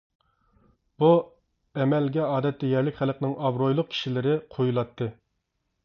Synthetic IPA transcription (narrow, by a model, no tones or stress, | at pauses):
b̥u | ɛmɛlɡʲɛɑːd̪ɛt̪ːɛjɛɾlɪkʲχælˠəqnɪŋɑvɾojlˠʊq̚kʲʰi̥ʃilɪɾɪqʰojulˠɑt̪ʰːɨ